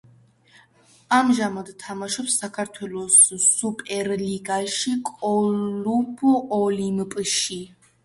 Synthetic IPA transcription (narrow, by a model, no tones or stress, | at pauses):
amʒamad̪t̪ʰamaʃɔpsːakʰaɾt̪ʰwɛlˠɔsːupʼɛɾliɡaʃikʼɔlupʰuʔɔlimpʼʃi